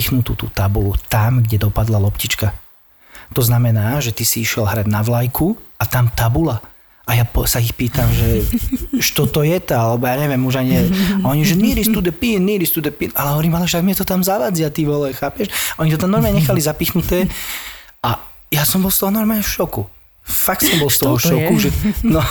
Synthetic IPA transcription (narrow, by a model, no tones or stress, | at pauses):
iːxnut̪ṵːt̪ṵːt̪abulut̪amɡɟɛd̪ɔpad̪lalɔpcit͡ʃka | t̪ɔznamɛnaːʒɛt̪isiiʃjɛlɦɾad̪naʋlajkʰuat̪amt̪abula | ʔajapɔsaixpiːt̪amʒɛ | ʃt̪ɔt̪ɔjɛt̪aalɛbɔjaːɲɛʋjɛmuʒaɲiɛɔɲiʒɛniɾist̪ud̪ɛpinːiɾist̪ud̪ɛpiːnalɛɦɔʋɔɾiːmalɛʒɛaɡmɪɛt̪ɔt̪amzaʋad͡ziat̪iʋɔlɛxaːpɛʃʔɔɲit̪ɔt̪amnɔɾmaːɲɛɲɛxalizapiːxnut̪ɛː | a | jasɔmbɔlst̪ɔɦɔnɔɾmaːlɲɛfʃɔku | fak̚t̪sɔmbɔlˠst̪ɔɦɔʃɔkuʒɛnɔ